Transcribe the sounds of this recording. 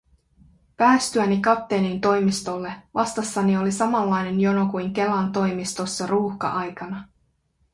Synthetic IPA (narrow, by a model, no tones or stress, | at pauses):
pæːst̪yænikɑt̪ːenint̪o̞jmist̪o̞lːe̞ʋɑst̪ɑsːɑnio̞lisɑmɑlːɑjne̞njo̞no̞kujŋk̟e̞lɑnt̪o̞jmist̪o̞sːɑruːxkɑ̰ʔɑjkɑnɑ